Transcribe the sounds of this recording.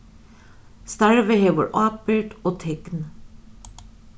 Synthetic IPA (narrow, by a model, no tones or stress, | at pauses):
st̪æɹʋəheːʋə̰ɹʔɑːpʏʈoːt̪ʰɛɡ̥n